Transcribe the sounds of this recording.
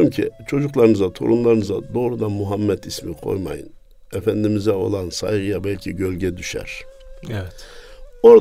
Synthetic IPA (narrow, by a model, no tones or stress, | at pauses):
imcʰḭt͡ʃʰo̞d͡ʒuklˠaɾɯnɯzat̪ʰo̰ɾumlˠaɾɯnɯzad̪o̞ːɾud̪anmuɦamːɛt̪ʰismikʰo̞̰jma̰jɯ̰n | efænd̪imizɛo̞̰lˠansa̰jɡɯjabælʲcʰiɟølʲɟɛd̪yʃæ̰ɾ̥ɛɛt̪o̞ɾ